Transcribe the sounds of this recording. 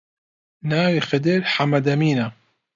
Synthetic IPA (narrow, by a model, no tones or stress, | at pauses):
naːwixɪd̪ɪɾħamad̪ɐmiːna